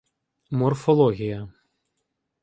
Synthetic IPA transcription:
mɔrfɔlˠɔɣʲijɐ

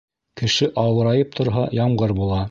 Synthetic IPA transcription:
kɘ̆ʃɘʔɑwɤ̆ɾɑjɤp̚t̪ʰŏɾɦɑjɑmʁɤɾbulˠɑ

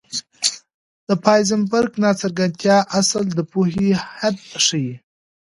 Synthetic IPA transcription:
d̪̥əpɑjzɪmbaɾɡnɑt͡saɾɡant̪jɑʔasəld̪əpuhihad̪̚ʂəji

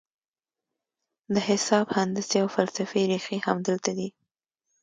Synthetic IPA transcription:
d̪əhɪsɑbhand̪əseawfalsafeɾexihamd̪əlt̪ad̪i

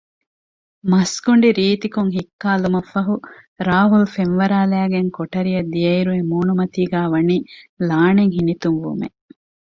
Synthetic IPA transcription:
mɐsɡuɳɖiɾiːt̪ikuŋɦikːaːlumɐfɐɦu | ɾaːɦulfenʋɐɾaːlæːɡeŋkoʈɐɾijɐd̪ijɐiɾuʋemuːnumɐt̪iːɡæːʋɐniːlaːneŋɦinit̪uŋʋṵmḛ

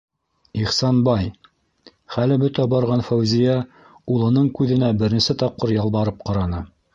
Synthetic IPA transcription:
iχsɑnbɑj | χælɘbɵt̪æbɑɾʁɑnfæwzijæ | ulˠɤ̆nɤɴkʉðɘ̆næbɘ̆ɾɘ̆nsɘt̪ɑp̚qɤɾjɑlˠbɑɾɤp̚qɑɾɑnɤ

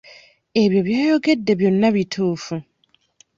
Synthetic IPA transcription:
e̞βjo̞βjaːjo̞ɡe̞dːe̞βjo̞nːaβitʰuːfu

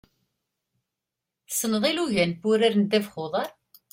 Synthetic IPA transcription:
θsnəðˤiluʝænbʊɾæɾnd̪ævχʊðˤɑɾˤ

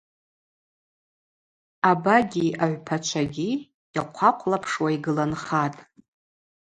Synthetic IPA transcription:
abaɡʲiaʕʷpʰat͡ʃʷʰaɡʲi | jaqʷʰaqʷʰʼlapʰʂwaiɡɨlanχatʼ

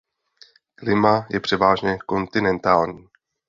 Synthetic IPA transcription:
klɪmajɛpr̝̥ɛvaːʒɲɛko̞nt̪ɪnɛnt̪aːlɲiː

